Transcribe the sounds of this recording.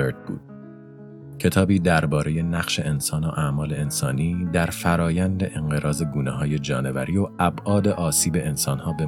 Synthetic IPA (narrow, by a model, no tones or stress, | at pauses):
eɾt̪̚bṵːd̪̥̚ | cʰe̞t̪ʰɒːbiːd̪æɾbɒːɾe̞je̞næɣʃe̞ʔensɒːnoʔæmɒːleensɒːniːd̪æɾfæɾɒːjænd̪e̞ʔeŋɢe̞ɾʔɒːze̞ɡuːneɦɒːje̞d͡ʒɒːne̞væ̰ɾiːoæbʔɒːd̪e̞ʔɒːsiːbe̞ʔːnsɒːnhɒːbe